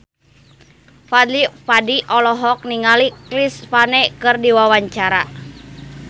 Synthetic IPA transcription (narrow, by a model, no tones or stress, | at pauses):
fad̪lipadiʔɔlɔɦɔk̚niŋaliklispanɛkɨrdiwawaɲt͡ʃaɾa